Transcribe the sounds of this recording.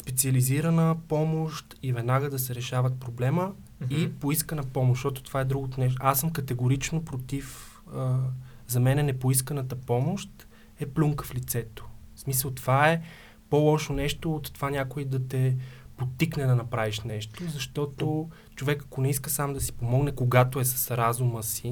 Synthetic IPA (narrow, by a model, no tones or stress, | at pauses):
spɛt̪siəliziɾənəpɔmoʃt̪ivɛd̪naɡəd̪ɐsɛɾɛʃavət̪̚pɾoblɛmə | ipoiskənəpɔmoʃt̪ɔt̪o̥t̪ovaɛd̪ɾuɡot̪onɛʃasːəmkɐt̪ɛɡoɾit͡ʃnopɾot̪if | əzɐmɛnɛnɛpoiskənət̪əpɔmoʃt̪ | ɛpluŋkəflit̪sɛt̪o̥smisəlˠt̪ovaɛ | polˠɔʃonɛʃt̪oːt̪ːovanʲakʊid̪ɐt̪ɛpot̪ːiknɛd̪ɐnɐpɾaviʃnɛʃt̪ozɐʃt̪ɔt̪o | t͡ʃovɛkɐkonɛiskəsamd̪ɐsi̥pomɔɡnɛkoɡat̪oɛsɐ̥sɾazuməsi